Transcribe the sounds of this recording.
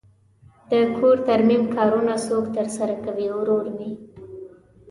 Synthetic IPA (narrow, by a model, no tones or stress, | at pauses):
d̪̥əkʰoɾt̪aɾmimkɑɾunasokt̪əɾsaɾakawiwɾoɾni